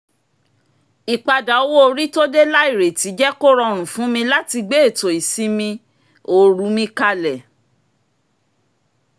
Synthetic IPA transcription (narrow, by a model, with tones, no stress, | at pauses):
i˨k͡pa˧da˨o˧˦wo˦o˧ɾi˦to˦de˦la˦i˦˨ɾe˨ti˨˦d͡ʒɛ˦ko˦ɾɔ˧ɾ̃ũ˨fũ˨˦mĩ˧la˦ti˧ɡ͡be˦e˦˨to˨i˨si˨˦mĩ˧ | o˨ɾu˨˦mĩ˧ka˧lɛ˨